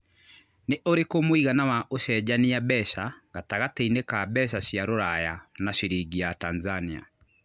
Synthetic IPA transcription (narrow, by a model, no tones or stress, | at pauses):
neʔoɾekomoiɣanawaʔoʃɛd͡ʑaniabɛɕaɣataɣatɛinekabɛɕ̬aɕjaɾoɾajanaɕeɾiɡiatanzania̰